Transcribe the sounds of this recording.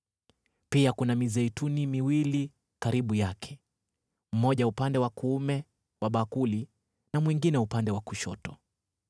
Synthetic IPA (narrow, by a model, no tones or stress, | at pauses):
piakunamizɛitunimiwili | kaɾiɓujakʰɛ̥ | m̩mɔʄaupandɛwakuumɛ | waɓakuli | namwiŋɡinɛupandɛwakuʃɔtɔ